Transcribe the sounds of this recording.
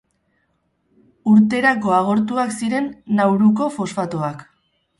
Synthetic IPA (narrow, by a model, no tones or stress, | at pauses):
uɾt̪e̞ɾak̬o̞aɣ̞o̞ɾt̪uaksiɾe̞nːawɾuko̞fo̞sfat̪oak